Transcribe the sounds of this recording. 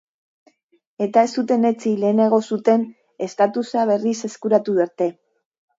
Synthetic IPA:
e̞t̪ae̞st̪ut̪e̞ne̞t͡sile̞ːne̞ɣ̞o̞sut̪e̞n | e̞st̪at̪usaβ̞e̞rise̞skuɾat̪uðeɾt̪e̞

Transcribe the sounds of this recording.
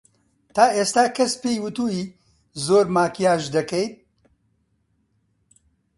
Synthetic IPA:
t̪aːeːst̪aːkɐspeːjwɨt̪uːiː | zoːɾmaːkijaːʒd̪ɐkɛjt̪̚

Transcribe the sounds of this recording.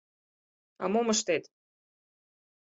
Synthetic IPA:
ɑ̰momə̆ʃt̪et̪

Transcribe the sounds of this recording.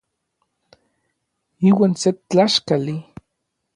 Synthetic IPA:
iːwaːnset͡ɬaʃkali

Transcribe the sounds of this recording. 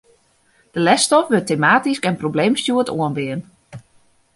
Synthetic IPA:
d̥əlɛstɔfʋətemaːtiskɛnprobleːmstjuətʰoənʋɪən

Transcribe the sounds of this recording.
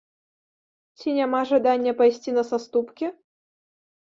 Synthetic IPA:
t͡sʲinʲamaʐad̪anʲːɐpajsʲt͡sʲinɐsast̪upkʲi

